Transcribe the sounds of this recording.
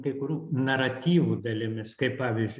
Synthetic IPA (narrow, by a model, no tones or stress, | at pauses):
kɐɪkʊɾʲuːnɐɾɐt̪ʲiːʋuːd̪ɐlʲɪmʲɪskɐɪppɑːʋʲiːzʲd͡ʒʲ